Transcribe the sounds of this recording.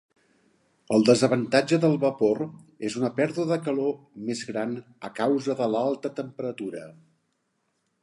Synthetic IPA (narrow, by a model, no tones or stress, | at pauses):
əlˠd̪əzəβ̞ənt̪ad͡ʒəðəlˠβəpoɾ | ezunəpɛɾðuəðəkəlo | mezɣɾan | əkawzəðəlalˠt̪ət̪əmpəɾət̪uɾə